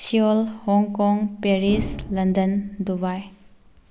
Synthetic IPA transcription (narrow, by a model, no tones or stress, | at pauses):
siɔlhɔŋkɔŋpeɾislɐndɐndubaj